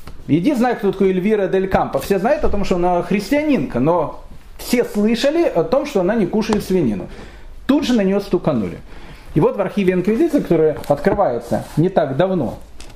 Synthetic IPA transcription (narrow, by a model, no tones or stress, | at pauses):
jɪdʲiznajʊt̚kt̪ot̪ɐ̥kojɪlʲvʲiɾəd̪əlʲkampəfsʲeznajʊt̪ɐt̪o̞mʂt̪oɐnaxɾʲɪsʲtʲɪɐnʲinkənofsʲe̞slˠɨʂəlʲɪʔɐt̪o̞mʂt̪oɐnanʲɪkuʂəjɪt̪svʲɪnʲḭnʊ̰ | t̪ud̪ʐɨnənʲɪjost̪ukɐnṵlʲɪ̰ | ɪvo̞t̪vɐrxʲivʲɪɪnkvʲɪzʲit̪sɨjəkɐ̥t̪o̞ɾəjəɐt̪kɾɨvajɪt̪sə̰nʲɪt̪aɡd̪ɐvno̰